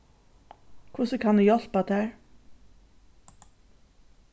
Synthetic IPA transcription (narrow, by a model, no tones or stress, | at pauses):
kʰʊsəkʰand̪ʉjɔlpad̪ʰæːɹ